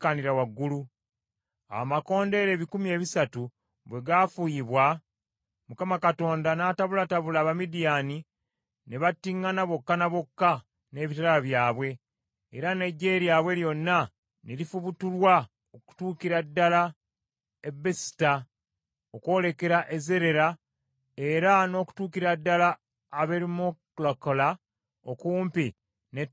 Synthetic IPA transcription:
kːaniɾawaɡːulu | a̰mako̞ːnde̞ɾe̞ːβikumie̞ːβisatu | βwe̞ɡafujiβwa | mukamakato̞ːndanaːtaβulataβulaːβamidijaːni | neβatːiŋːanaβo̞kːanaβo̞kːa | ne̞ːβitalaβjaːβwe̞̰ː | ɾane̞ɟːe̞ːɾjaːβwe̞ljo̞nːa | nelifuβutulwa | oku̥tuːkiɾadːala | ebesi̥ta | okwo̞ːle̞ke̞ɾaʔeze̞ɾe̞ɾa | e̞ɾano̞ːku̥tuːkiɾadːalaː | βeɾimoklokola | okuːmpi | ne

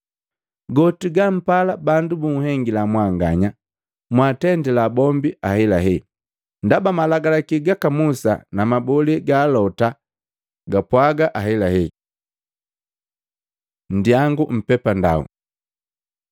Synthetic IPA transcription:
ɡɔtiɡam̩palabandubuŋuɦɛŋɡilamwaŋɡaɲa | mwatɛndɛlabɔmbiahɛlaɦɛ | ndabamalaɡalakiɡakamusa̰namabɔliɡaːlɔta | ɡapwaɡaʔahɛlahɛ | n̩djaŋɡum̩pɛpanda̰ṵ

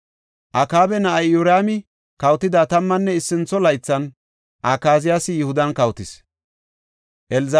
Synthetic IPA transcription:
ʔɐkaːbɛnɐʔɐjːʊɾaːmɪ | kɐwt̪ːɪd̪at̪ɐmːɐnːɛɪsːɪnt͡sɔlɐjt͡sːɐn | ʔakaːzɪjasɪjɪhʊd̪ɐnkɐwt̪ɪs | ʔɛlz

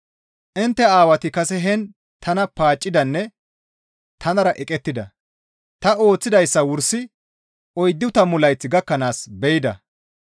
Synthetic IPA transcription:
ʔɪnt̪ːɛaːwɐt̪ɪkɐsɛɦɛn | t̪ʰɐnɐpaːt͡ʃʼːɪd̪ɐnːɛ | t̪ʰɐnɐɾɐʔɛkʼɛt̪ːɪd̪ɐ | t̪ɐo̞ːt͡sːɪd̪ɐjsːɐwʊɾsɪ | ʔɔjd̪ːɪʊt̪ɐmʊlɐjt͡sːɪɡɐkːɐnaːsbɛjɪd̪ɐ̰

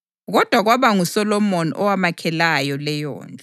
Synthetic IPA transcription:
ɣɔd̥ʱwaɣwaβaŋusɔlɔmɔnḭʔɔwamakʰɛlajɔlɛjɔ̰ːnd͡ɮʱɔ

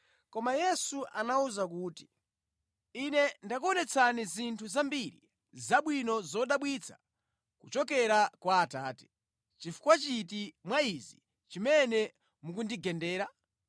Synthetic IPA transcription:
kɔmajɛsuʔanauzakuːti̥ | inɛndak̬uɔnɛt͡sʰanizintʰuzambiɾḭ | zaɓwinɔzɔɗaɓwit͡sʰḁ̰ | kut͡ʃɔk̬ɛɾakwaːtaːtɛ̥ | t͡ʃifu̥kwat͡ʃitimwaizi | t͡ʃimɛnɛ | muk̬undiɡɛndɛːɾa

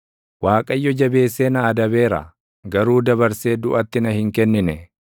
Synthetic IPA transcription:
waːkʼɐjːɔd͡ʒɐbe̞ːsːeːnɐːd̪ɐbe̞ːɾɐ̰ | ɡɐɾuːd̪ɐbɐɾse̞ːd̪ʊʔɐt̪ːɪnɐhɪŋkɛnːɪnɛ

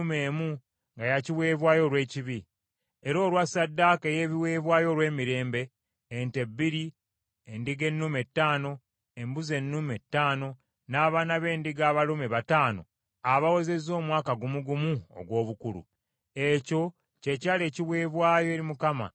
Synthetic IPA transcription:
umeːmu | ŋɡajaciβwe̞ːβwaːjo̞ːlwe̞ːciβi | eɾo̞ːlwasadːaːkejeːβiwe̞ːβwaːjo̞ːɾwe̞ːmiɾe̞ːmbe̞ː | nte̞bːiɾi | endiɡe̞nːume̞tːaːno̞ | embuze̞nːume̞tːaːno̞ | naːβaːnaβe̞ːndiɡaːβalumeβataːno̞̰ | aβawe̞ze̞zo̞ːmwaːkaɡumuɡumuo̰ɡwo̞ːβukuɾṵ | e̞co̞ | ce̞caːle̞ːciβweːβwaːjoeːɾimukama̰

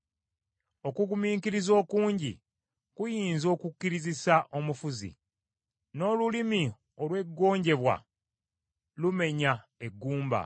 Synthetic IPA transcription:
o̞kuɡumiːkiɾizo̞ːkuːɲɟḭ | kujiːnzo̞ːkukːiɾizisaʔo̞mufuzḭ | no̞ːlulimi | o̞lwe̞ɡːo̞ːɲɟe̞βwa̰ | lume̞ɲae̞ɡːuːmba̰

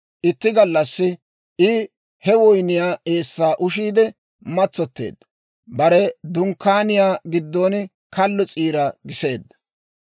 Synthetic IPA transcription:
ʔɪt̪ːɪɡɐlːɐsːɪ | ɪ | hɛwɔjnɪjaːʔe̞ːsːaːʔʊʃiːd̪ɛ | mɐt͡sːɔt̪ːḛːd̪ːɐ̥ | bɐɾɛd̪ʊŋkːaːnɪjaːɡɪd̪ːoːn | kɐlːɔt͡sʼiːɾɐɡɪse̞ːd̪ːɐ̥

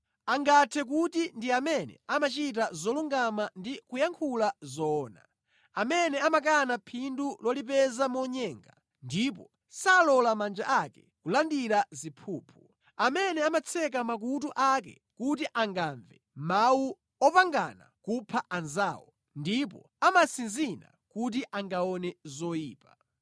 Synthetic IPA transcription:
aŋɡatʰɛk̬utindiamɛnɛ̰amat͡ʃit̬azɔluŋɡamandikujaŋkʰulazɔːna̰ | amɛnɛamak̬anapʰindulɔlip̬ɛzamɔɲɛːŋɡa̰ | ndip̬ɔ | salɔlamand͡ʒaʔakɛ | kulandiɾazipʰuːpʰu | amɛnɛamat͡sʰɛk̬amak̬ut̬uʔak̬ɛ̰ | kut̬iʔaŋɡaɱvɛ | mawu | ɔpaŋɡa̰na̰kupʰaʔanzaːwɔ | ndip̬ɔ̰ | amasinzina̰kut̬iʔaŋɡaɔnɛzɔjiːpa

